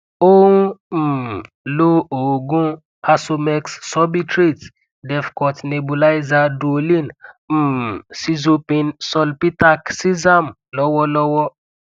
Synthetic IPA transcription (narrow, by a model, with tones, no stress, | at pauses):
o˦ũ˦m̩˨ | lo˦o˨ɡũ˦ | a˧so˧mɛ˧ksːɔ˦bi˦tɾe˦˨t | dɛ˨fkɔ˨tne˨bo˨la˦jza˧dɾo˨lĩ˦n̩˨ | si˦zo˧pĩ˧nsɔ˦lpi˦ta˦ksi˦za˦˨m | lɔ˦wɔ˦lɔ˦wɔ˦